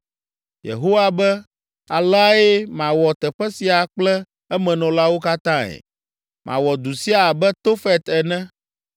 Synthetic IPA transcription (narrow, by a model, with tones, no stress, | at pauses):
jḛ˨ɦo˦wa˦bɛ˦ | a˨lɛ˦a˦e˦mã˨wɔ˨t̪ɛ˨ɸɛ˦si˨a˨k͡plɛ˦ | ɛ˦mɛ̃˨nɔ̃˨la˦wo˦ka˦t̪ã˦ɛ̰˨ | mʔã̰˨wɔ˨d̪u˨si˦a˨bɛ˦t̪o˦fɛ˦t̪ɛ˨nɛ̃˦